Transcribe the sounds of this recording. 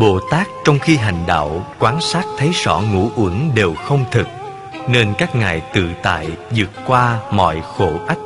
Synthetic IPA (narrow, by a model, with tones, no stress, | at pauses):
ɓo̰˧˨t̪aː˦˥k̚t͡ɕɔ˧wŋ͡mxi˧ɦa˨˩jŋ̟ɗa̰ː˧˨wkwaː˨˦nsaː˦˥t̚t̪ʰə˨˦jsɔ̰˧˩ŋṵ˧˥ʔu˨˧˦əŋɗe˨˩wxə˧wŋ͡mt̪ʰɨ˨˩k̚ | ne˧nkaː˦˥k̚ŋaː˨˩jt̪ɨ̰˧˨t̪a̰ː˧˨jzɨ̰˨˩ət̚kwaː˧mɔ̰˧˨jxo˧˩ʔa˦˥k̚